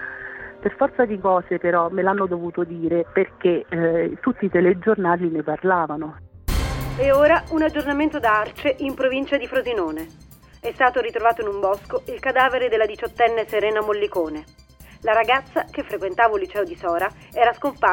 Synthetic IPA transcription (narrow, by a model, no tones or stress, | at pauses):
perfɔrt̪sad̪ikɔːsepeɾɔmelanːod̪ovuːt̪od̪iːɾeperket̪ːut̪ːiːt̪eled͡ʒornaːlineparlaːvano | eoːɾaunad͡ʒornament̪od̪aart͡ʃeʔimpɾovint͡ʃad̪ifɾozinoːne | ɛst̪aːt̪oɾit̪ɾovaːt̪oinumbɔskoilkad̪aːveɾed̪elad̪it͡ʃot̪ːɛnːeseɾɛːnamolːikoːne | laɾaɡat̪sːakefːɾekwent̪aːvolːit͡ʃɛːod̪isɔːɾa | ɛːɾaskompa